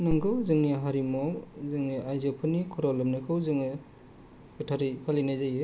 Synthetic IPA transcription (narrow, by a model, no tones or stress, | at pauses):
nɯŋɡɯwzɯŋniɦaɾimɔwzɯŋniʔajzɯpʰɯnikʰɔɾɔlɯmnɯkʰɯwzɯŋɯ | ɡɯtʰaɾipʰalinajzajɯ